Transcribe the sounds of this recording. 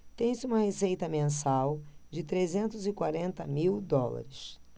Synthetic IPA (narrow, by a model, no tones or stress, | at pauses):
t̪ẽj̃sɪũmɐhesejt̪ɐmẽsawd͡ʒɪt̪ɾezẽnt̪ʊzɪkwaɾẽnt̪ɐmiwd̪ɔlɐ̰ɾɪs